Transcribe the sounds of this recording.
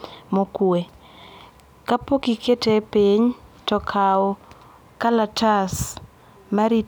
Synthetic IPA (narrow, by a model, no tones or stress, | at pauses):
mokwe | kapokikʰetepiɲtɔkʰaɔ | kalatas | maɾi